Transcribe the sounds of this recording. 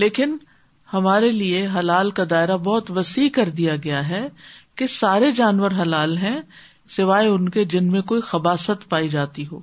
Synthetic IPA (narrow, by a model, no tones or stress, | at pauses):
leːkɪn | hɐmaːɾelieɦɐlaːlkad̪aːɪɾabɔɦt̪ʋɐsiːkɐɾd̪ijaɡɐjaɦɛkesaːɾed͡ʒaːnʋəɾɦɐlaːlɦɛ̃ | sɪʋaːeʊnked͡ʒɪnmẽkoːixɐbaːsət̪paːid͡ʒaːt̪iɦo̰ː